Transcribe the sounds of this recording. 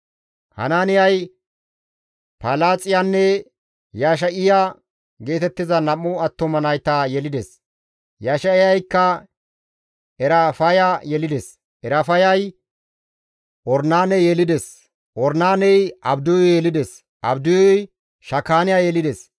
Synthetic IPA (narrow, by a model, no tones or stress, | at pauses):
hɐ̰naːnɪjɐj | palaːt͡sʼɪjanːɛ | jaːʃ̬ɐʔɪja | ɡe̞ːt̪ɛt̪ːɪzɐnɐmːʊɐt̪ːɔmɐnɐjt̪ajɛlɪd̪ɛs | jaːʃɐɪjɐjkːɐ | ɛɾɐfɐjajɛlɪd̪ɛs | ɛɾɐfɐjɐj | ʔɔɾnaːnɛjɛlɪd̪ɛs | ʔɔɾnaːnɛjɐbd̪ʊjjɛlɪd̪ɛs | ʔɐbd̪ʊjɔj | ʃɐkːaːnɪjajɛlɪd̪ɛs